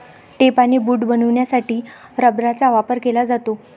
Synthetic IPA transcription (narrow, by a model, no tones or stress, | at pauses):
ʈepanebuːʈbənuʋɳjasaʈiːɾəbɾat͡saʋapəɾkelad͡zat̪o